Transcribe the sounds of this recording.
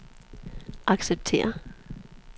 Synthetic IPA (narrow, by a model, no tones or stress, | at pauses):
ʔɑ̈ɡ̥seb̥̚tʰe̝̰ːɐ